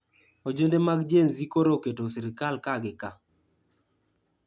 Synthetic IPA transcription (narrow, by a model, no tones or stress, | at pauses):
od͡ʒendemaɡd͡ʒenzikoɾoketosiɾɪkalkaɡɪka